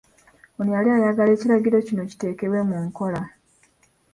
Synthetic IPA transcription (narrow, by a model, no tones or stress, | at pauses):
onijaliajaɡale̞ːciɾaɟiɾo̞cino̞ci̥te̞ːke̞we̞muŋko̞la